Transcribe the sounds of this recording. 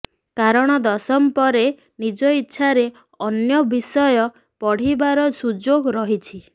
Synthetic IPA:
kaɾɔɽ̃ɔd̪ɔsɔmpɔɾe | nid͡ʒɔitːʃʰaɾe | ɔnjɔbisɔjɔ | pɔɽ̤ibaɾɔsud͡ʒoɡɾɔɦit͡ʃʰi

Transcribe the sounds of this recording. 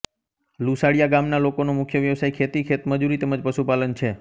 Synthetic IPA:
lusaɽijaɡamnalokonomʊkʰjəʋjəʋsajkʰet̪ikʰet̪məd͡ʒuɾit̪ɛməd͡ʒpəʃupalənt͡ʃʰe

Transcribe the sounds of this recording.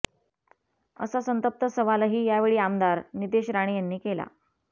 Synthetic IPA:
ə̰sasənt̪əp̚t̪əsəʋalaɦiːjaʋeɭiːamd̪aɾnid̪eɕɾaɽ̃iːjanːiːkela̰

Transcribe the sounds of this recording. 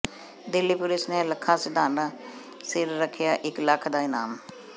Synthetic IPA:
d̪ɪlːiːpʊlɪsneːləkʰːãːsɪd̪aːnaː | sɪɾɾəkʰːɪjaːʔɪkləkʰd̪aːɪnaːm

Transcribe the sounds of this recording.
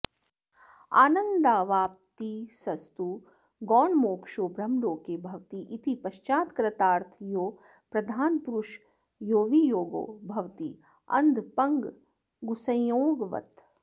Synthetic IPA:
a̰ːnɐnd̪aːʋaːp̚t̪isɐst̪u | ɡɔːɳmoːkʂoːbɾɐmɖoːkeːbʱɐʋt̪iʔit̪ipɐʃt͡ʃaːt̪kɾɐt̪aːɾt̪ʰjoː | pɾɐd̪ʱaːnpuɾuʃ | joːʋijoːɡo̰ːbʱɐʋt̪i | ɐ̰nd̪pɐŋɡ | ɡusɐ̃oːɡʋɐ̰t̪

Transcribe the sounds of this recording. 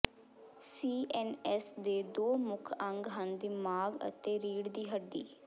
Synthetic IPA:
siːʔɛːnɛsd̪eːd̪oːmʊkʰə̃ŋɡɦənd̪iːmaːɡə̰t̪eːɾiːɽd̪iːɦəɖːḭː

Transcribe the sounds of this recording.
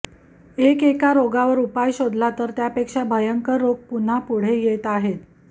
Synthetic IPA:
ekekaɾoɡaʋəɾupajɕod̪ʱlat̪əɾt̪japekʂabʱəjəŋkəɾːoɡ̚pun̤apuɽ̤ejet̪aɦet̪

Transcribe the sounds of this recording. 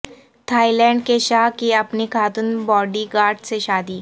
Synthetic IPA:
t̪ʰaːilɛ̃ːɳɖkeʃaːɦkiɐpnikʰaːt̪ʊnbɔːɖiɡaːɾɖseʃaːd̪iː

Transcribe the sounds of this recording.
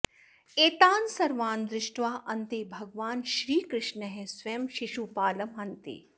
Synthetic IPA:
eːt̪aːnsɐɾʋaːnd̪ɾɪʃʈʋaːʔɐnt̪ebʱɐɡʋaːnʃɾiːkɾɪʃnɐɦesʋɐjɐmʃiʃupaːlɐmɦɐnt̪ḛː

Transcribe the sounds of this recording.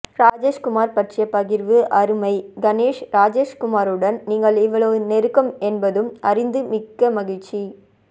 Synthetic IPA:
ɾaːd͡ʒeːʂkʊmaːɾpɐʈrɪjɐpɐɣɪɾʋɯʔɐɾɯmɐɪɡɐneːʂɾaːd͡ʒeːʂkʊmaːɾɯɽɐnniːŋɡɐɭɪʋɐɭɐʋɯnɛɾɯkːɐmɛnbɐðɯmʔɐɾɪnd̪ɯmɪkːɐmɐɣɪɻt͡ʃːi

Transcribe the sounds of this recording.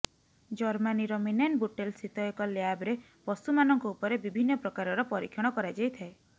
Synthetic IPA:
d͡ʒɔɾmaniɾɔminanbuʈelsit̪ɔekɔleabɾe | bɔst̪umanɔŋkɔupɔɾebibʱinːɔpɾɔkaɾɔɾɔpɔɾikʰjɔɽ̃ɔkɔɾad͡ʒajt̪ʰae

